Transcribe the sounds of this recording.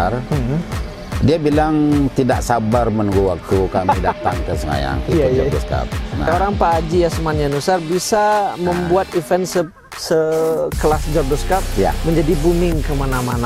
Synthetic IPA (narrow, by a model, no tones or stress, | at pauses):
r | diabilaŋt̪idaʔsabarmənuɡuwak̚t̪ukamida̰t̪a̰ŋkəsəŋa̰ja̰ŋkiɔdɔska̰p̚na̰oɾaŋpaːd͡ʒijasəmanɲanusarbisaməmbuat̪ifɛnsə | səkəlasd͡ʒɔrdɔskap̚ja̰məɲd͡ʒadibumɪŋkəmanamana